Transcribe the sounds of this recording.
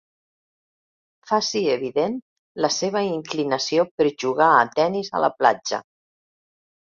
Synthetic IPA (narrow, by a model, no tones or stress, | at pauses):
fasieβ̞iðen | ləseβ̞əiŋklinəsiopəɾʒuɣ̞aːt̪ɛnizə̰lə̰pla̰d͡ʒə̰